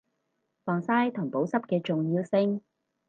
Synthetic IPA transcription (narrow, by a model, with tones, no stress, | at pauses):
fɔː˨ŋsaː˥jt̪ʰʊ˨˩ŋpo˨˥wsɐ˥p̚kɛː˧t͡ʃʊ˨ŋjiː˧wsɪ˧ŋ